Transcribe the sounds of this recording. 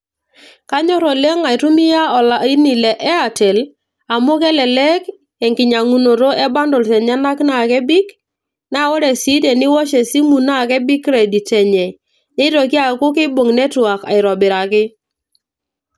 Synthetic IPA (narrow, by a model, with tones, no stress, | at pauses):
ka˦ɲɔ˦ɾɔ˨le˦ŋa˨ɪ˨tu˦mi˦ja˦ɔ˨la˨i˦ni˨lɛ˨ʔɛ˦a˨tɛ˨l | a˨mʊ˦kɛ˦lɛ˨lɛ˦k | ɛ˨ŋkɪ˨ɲa˨ŋu˨no˨ɾo˦ɛ˦ba˦ndɔ˨lsɛ˨ɲa˦na˦kna˨kɛ˦bi˦k | na˦o˦ɾɛ˨si˦dɛ˨nɪ˦wɔ˦ʃɛ˨si˦mu˨na˦˨kɛ˦bi˦kɾɛ˨di˨tɛ˨ɲɛ˨ | ne˦ɾo˨k̬i˦a˨kʊ˦ke˦bo˨ŋnɛ˦twa˨ka̰˨ɪ˨ɾɔ˨bɪ˨ɾa˨kɪ˦